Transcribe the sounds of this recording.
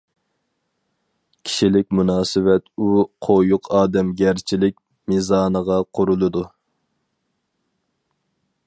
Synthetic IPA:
kʲʰi̥ʃilɪkʲmunɑːsɨwɛt̪uqʰojʊqʰɑːd̪ɛmɡʲæɾt͡ʃʰilɪk̚ʲ | mizɑːnəʁɑqʰʊɾulˠɨd̪u

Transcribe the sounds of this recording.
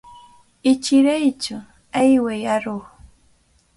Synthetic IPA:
ɪt͡ʃɪɾajt͡ʃʊ | ajwajaɾʊχ

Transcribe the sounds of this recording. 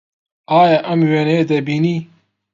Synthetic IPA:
aːjaʔɐmweːneːd̪ɐbiːniː

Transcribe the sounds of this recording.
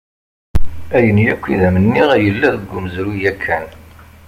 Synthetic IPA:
æjənjækʷːiðæmənːiʁæjəlːæðəɡʷːuməzɾujækʰːæn

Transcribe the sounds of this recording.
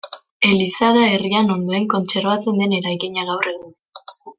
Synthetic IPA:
e̞lisað̞ae̞riano̞nd̪o̞e̞ŋko̞nt͡se̞ɾβat͡se̞nd̪e̞ne̞ɾajkiɲaɣawre̞ɣun

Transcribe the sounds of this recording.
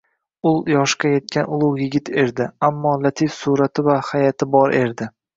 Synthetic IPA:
ʊlˠjɒʃkaje̞t̪̚kʲanʊlˠʊwjɪɡʲɪt̪e̞ɾd̪ɪamːɒlˠat̪ʰifsuɾat̪ʰɪvahajat̪ʰɪbɒɾʔe̞ɾd̪ɪ

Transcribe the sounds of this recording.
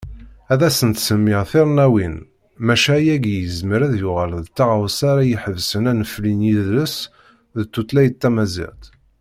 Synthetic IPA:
æðæsənt̪səmːɪʁθiɾˤnæwin | mæʃæjæɡjəzməɾæðjʊʁəlðt̪ːɑʁəwsaɾæjəħəvsənænəflinjiðləs | ðt̪ːut̪læjt̪ːæmæzɪ̰ʁt̪

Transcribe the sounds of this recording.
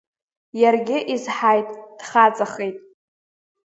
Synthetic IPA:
jarɡʲɪʔizħajtʼd̥χat͡sʼaχejtʼ

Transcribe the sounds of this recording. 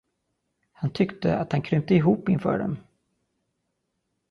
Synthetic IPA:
hant̪ʰʏkt̪ə̰at̪hankʰɾʏmt̪əɪɦuːpːɪnfœ̰ːɖɛ̰m

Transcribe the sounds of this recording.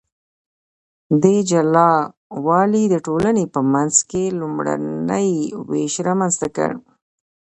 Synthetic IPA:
d̪ed͡ʒalɑ | wɑlid̪əʈolanepəmanzkelumɽa̰nəjwḛʃɾɑmanzt̪akə̰ɽ

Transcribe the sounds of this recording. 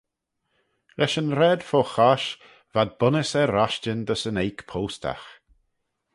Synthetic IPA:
lɛʃənɾɛd̪foxaʃ | vad̪̚bʊnəsɛɾaʃt͡ʃənd̪əsənejkpʰowstʰa̰x

